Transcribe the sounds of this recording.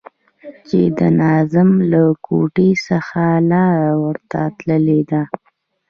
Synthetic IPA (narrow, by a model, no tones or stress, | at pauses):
t͡ʃed̪ənɑzɪmlakʰo̰ʈesəxalɑɾawəɾt̪at̪ləled̪a